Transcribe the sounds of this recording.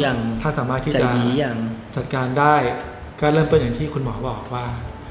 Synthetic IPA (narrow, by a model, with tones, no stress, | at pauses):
ja˨˧˩ŋt̪ʰaː˥˩saː˩˦maː˥˩t̪ʰːi˥˩˨t͡ɕa˨˩i˨˦ja˨˧˩ŋt͡ɕa˨˩t̪̚kaː˧ndaː˥˩j | kɔː˥˩ɾɤː˥˩mp̪ːja˨˩ŋt̪ʰiː˥˩kʰu˧nmɔː˩˦bɔː˨˩k̚waː˥˩